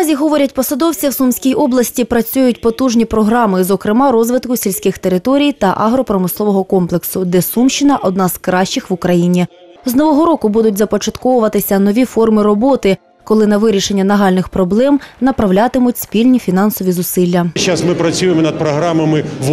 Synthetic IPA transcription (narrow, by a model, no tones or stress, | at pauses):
zʲiɦɔʋɔɾʲɐtʲpɔsɐd̪ɔwt͡sʲiwsumsʲkʲijʔɔblˠɐsʲtʲipɾɐt͡sʲujʊt̚ʲpɔt̪uʒnʲipɾɔɦɾɑmɪzɔkɾɪmɑɾɔzʋɪt̪kʊsʲilʲsʲkɪxt̪eɾɪt̪ɔɾʲijt̪ɐʔɑɦɾɔpɾɔmɪslˠɔʋɔɦɔkɔmplˠeksʊd̪ɛsumʃt͡ʃɪnɐʔɔd̪̚nɑzkɾɑʃt͡ʃɪxʋʊkɾɐjinʲi | znɔʋɔɦɔɾɔkʊbud̪ʊtʲzɐpɔt͡ʃɐt̪kɔʋʊʋɐt̪ɪsʲɐnɔʋʲifɔrmɪɾɔbɔt̪ɪ | kɔlˠɪnɐʋɪɾʲiʃenʲːɐnɐɦɑlʲnɪxpɾɔblˠɛmnɐpɾɐwlʲat̪ɪmʊtʲspʲilʲnʲifʲinɑnsɔʋʲizʊsɪlʲːɐt͡ʃasmɪpɾɐt͡sʲujemɔnɐd̪̚pɾɔɦɾamɐmɪ